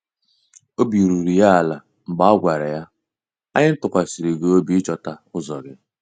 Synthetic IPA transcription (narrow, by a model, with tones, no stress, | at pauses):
o˦bi˨ɾu˨ɾi˨ja˦a˨la˨ | m̩˨ɡ͡ba˦ɡʷa˨ɾa˨ja˦ | a˦ɲɪ˦n̩˦tʊ˨kʷa˨si˨ɾi˨ɡe˦o˦bi˦t͡ʃɔ˨ta˨ʊ˦zɔ˨ɡɪ˦